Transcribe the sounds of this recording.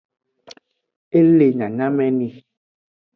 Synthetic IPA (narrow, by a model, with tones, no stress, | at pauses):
e˦le˨ɲã˨ɲã˦mɛ˦nĩ˧